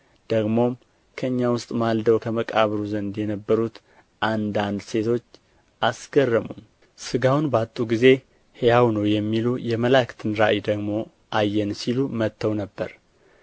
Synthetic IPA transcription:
d̪̥əɡmo̞m | kʰəɨɲːawʊst̪ʼmald̪əwkʰəməkʼaβɾuzənd̪jɛnəbːəɾut̪ | ʔand̪and̪se̞t̪ʰo̞t͡ʃː | ʔasɡ̥ərːəmun | sɨɡawnbat̪ʼːuɡize̞ | hejawnəwjɛmːilujɛməlakt̪ʰɨnɾaʔjd̪əɡmo̞ | ʔajːɛnsilumət̪ʰːəwnəbːəɾ

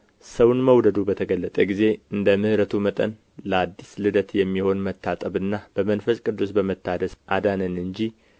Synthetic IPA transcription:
səwnməwd̪əd̪ubət̪ʰəɡəlːət̪ʼəɡize̞ɨnd̪əmɨhɾət̪ʰumət̪ʼə̰n | ləad̪ːislɨd̪ət̪jɛmːiho̞nmət̪ʰːat̪ʼəβɨnːab̥əmənfəskʼɨd̪ːusbəmət̪ːad̪əsʔa̰d̪anənɨɲd͡ʒi

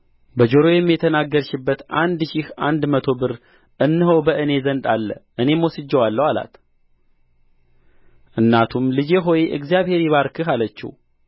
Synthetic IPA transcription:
bəd͡ʒo̞ɾo̞jɛmːijɛt̪ʰənaɡːəɾʃɪbːət̪ʔa̰nd̪ʃihʔand̪mət̪ʰo̞bɨɾ | ʔɨnːɨɦəwbəʔɨne̞zənd̪alːə̰ʔɨne̞mwosɨd͡ʒːɛwalːəwala̰t̪ | ʔɨnːat̪ʰumlɨd͡ʒeɦo̞jeʔɨ̰ɡzijaβhe̞ɾiβaɾkʰɨɦalət͡ʃːḭ

